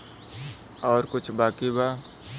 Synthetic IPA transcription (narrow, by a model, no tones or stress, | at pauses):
ɔːɾkʊt͡ʃʰbaːkibaː